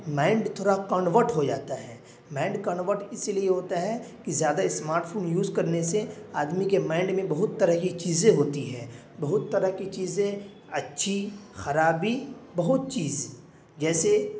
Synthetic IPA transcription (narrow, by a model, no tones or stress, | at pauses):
mãːɪɳɖt̪ʰoːɽakɔːnʋəɾʈɦod͡ʒa̰ːt̪aɦɛː | mãːɪ̃ɳɖkɔːnʋəɾʈɪsilieɦoːt̪aɦɛ | kizjaːd̪aɪsmaːɾʈpʰoːnjuːzkɐɾneseaːd̪mikemãːɪ̃ɳɖmẽbɐɦʊt̪ːɐɾəɦkit͡ʃiːzẽɦoːt̪iɦɛ̰̃ː | bɐɦʊt̪ːɐɾəɦkit͡ʃiːzẽ | ɐtːʃʰixɐɾaːbibɐɦʊt̪̚t͡ʃiːz | d͡ʒɛːse